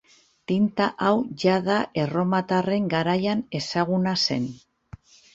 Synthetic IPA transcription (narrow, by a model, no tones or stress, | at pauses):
t̪int̪aʔawʝaðaʔe̞ro̞mat̪are̞ŋɡaɾajane̞saɣ̞unase̞̰n